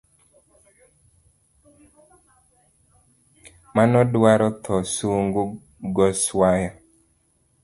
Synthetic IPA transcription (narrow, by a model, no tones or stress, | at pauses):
manɔdwaɾɔt̪ʰɔsuŋɡu | ɡɔswaja